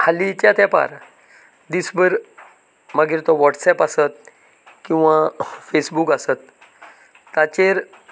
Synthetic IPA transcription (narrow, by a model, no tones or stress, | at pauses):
halit͡ɕjat̪japa̰ɾ | d̪isbəɾ | maɡiːɾt̪ɔʋɔʈsɛpasət̪̚ | kĩw̃ʋafesbukasət̪ː | at͡ɕeɾ